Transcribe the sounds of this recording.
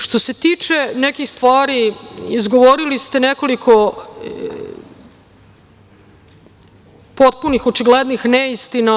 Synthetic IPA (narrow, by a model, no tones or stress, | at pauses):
ʃt̪o̞set̪iːt͡ʂenɛkixst̪ʋaːɾiizɡo̞ʋoɾilist̪enɛko̞likʰo | pot̪̚punixot͡ʃiɡled̪nixnɛist̪ina